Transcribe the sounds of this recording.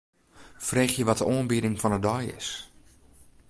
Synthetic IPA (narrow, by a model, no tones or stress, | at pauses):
freːxjəʋɔtəʔoːənbidɪŋfɔnədɔjɪ̰s